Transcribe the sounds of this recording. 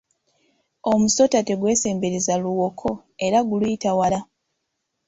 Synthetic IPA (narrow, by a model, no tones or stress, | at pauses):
o̞muso̞tate̞ɡwe̞ːse̞ːmbe̞ɾezaluwo̞kʰo̞ | e̞ɾaɡulujitawala